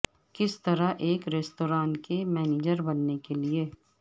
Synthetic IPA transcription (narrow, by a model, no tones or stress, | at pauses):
kɪst̪ɐɾaʔeːkɾeːst̪oːɾaːnkemɛːniːd͡ʒəɾbɐnːekelie